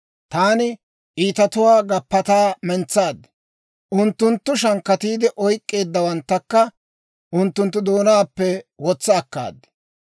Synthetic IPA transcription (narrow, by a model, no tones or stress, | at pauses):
t̪aːnɪ | ʔiːt̪ɐt̪ʊwaːɡɐpːɐt̪aːmɛnt͡sːaːd̪ɛ̥ | ʔʊnt̪ːʊnt̪ːʊʃɐŋkːɐt̪iːd̪ɪʔɔjkʼːe̞ːd̪ːɐwɐnt̪ːɐkːɐ | ʔʊnt̪ːʊnt̪ːʊd̪o̞ːnaːpːɛwɔt͡sːɐːkːa̰ːd̪ɛ̥